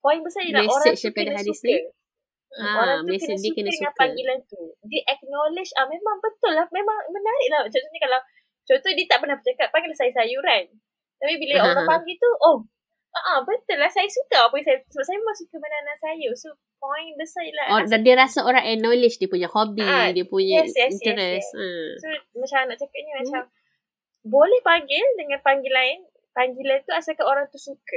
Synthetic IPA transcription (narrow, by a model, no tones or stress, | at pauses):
poɪŋbəsailaeoɾapadaadisle | aoɾɾaŋuekəndiukənadsŋãnpaŋɡilat̪udiʔɛk̚nolɪd͡ʒamemaŋbət̪ʊlːahmemaŋmənaɾɪʔlaht͡ʃɔt̪oɲakalaw | t͡ʃont̪odiət̪aʔpərnahbət͡ʃakap̚pːaɪɡŋlahsajasajuɾan | t̪apibilaoɾãpaŋɡit̪uʔɔh | ʔəʔəbət̪əlahsajasukaapaisajsəbap̚sajamasukəmənanasajəso | pɔŋdəsajladadiəɾasaoɾaŋɛnːolɪt͡ʃdiəpuɲahobidiəpuɲaɛsjɛsinjt̪əɾɛssomat͡ʃamnaʔt͡ʃakat̚ɲəmat͡ʃam | bolɛhpaŋɡɪldəŋãnpaŋɡilaɪn | paŋɡilant̪uasakaoɾaŋt̪usukə